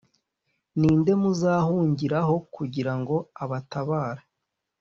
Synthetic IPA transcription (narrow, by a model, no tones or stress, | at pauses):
niːnde̞muzaːhuːɲɟiɾaɦo̞kuɟiɾaŋɡo̞aβataβaːɾa